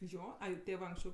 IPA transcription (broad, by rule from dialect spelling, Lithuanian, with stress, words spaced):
ˈjoː ˈɐɪ ˈtʲeːʋɜ ɐŋksʲˈt͡ʃʲɛʊ